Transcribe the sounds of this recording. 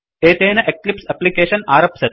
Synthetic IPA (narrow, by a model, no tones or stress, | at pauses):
eːt̪eːnɐʔeklipsɐplikeːʂɐnaːɾɐpsɐt̪